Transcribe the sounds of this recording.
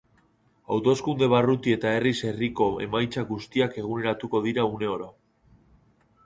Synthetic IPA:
a̰wt̪o̞skund̪e̞β̞arut̪ie̞t̪ae̞rise̞riko̞ḛmajt͡saɣust̪iake̞ɣ̞une̞ɾat̪uko̞ð̞iɾaune̞o̞ɾa

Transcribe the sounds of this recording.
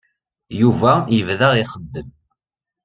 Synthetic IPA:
juvæjəvðəʁiχəd̪ːəm

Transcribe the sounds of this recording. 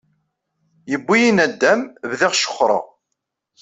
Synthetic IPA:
jəbːijinæd̪ːæmvðiʁʃə̥χːɾˤɑ̰

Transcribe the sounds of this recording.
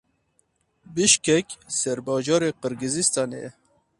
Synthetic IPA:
biʃkɛkʲsɛɾbɑːd͡ʒɑːɾeːqəɾɡɨzist̪ɑnḛ

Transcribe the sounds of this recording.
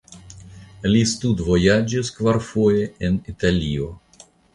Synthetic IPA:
listudvo̞jad͡ʒiskvaɾfo̞je̞enitalʲio̞

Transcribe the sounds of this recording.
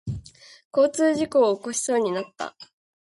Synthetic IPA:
ko̞ːt͡sɨːʑiko̞ːko̞ɕi̥so̞ːɲ̟inat̪ːa̰

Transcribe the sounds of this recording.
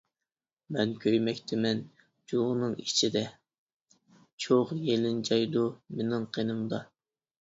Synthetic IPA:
mɛnkʲʰøjmɛkʲt̪ʰɪmɛn | d͡ʒoʁnɨŋit͡ʃʰid̪ɛ | t͡ʃʰoʁjelɪnd͡ʒɑjd̪umenɪŋqʰenɨmd̪ɑ

